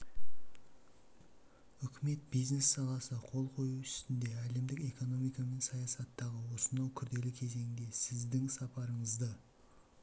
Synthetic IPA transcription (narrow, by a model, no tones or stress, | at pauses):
ʏkʲɪme̞t̪̚bijzne̞sːɑlˠɑsəqʰo̞lˠqʰo̞juʏst̪ɪnd̪e̞æle̞md̪ɪke̞ko̞no̞mijkɑme̞nsɑjɑsɑt̪ːɑʁəwo̞sənɑwkʲʰʏɾd̪e̞lɪkʲʰe̞ze̞ŋɪd̪e̞sɪzd̪ɪŋsɑpɑɾəɴəzd̪ə